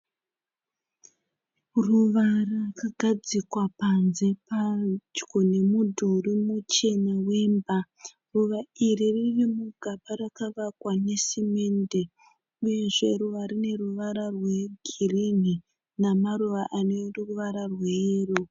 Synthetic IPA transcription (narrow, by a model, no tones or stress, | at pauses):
ruʋarakaɡʱad͡zikwapanze̞pad͡ʒɡone̞mudʱurimut͡ʃe̞nawe̞mba | ruʋairiririmuɡʱapaɾakaʋakwanesime̞nde̞ | uje̞ʐe̞ruʋaɾine̞ruʋaɾarwe̞ɡʱirini | namaɾuʋaʔaneruruʋaɾarwero